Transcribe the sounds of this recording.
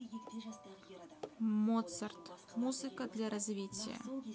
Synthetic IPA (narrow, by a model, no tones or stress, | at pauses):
mot̪sərt̪muzɨkəd̪lʲaɾɐzvʲitʲɪjə̰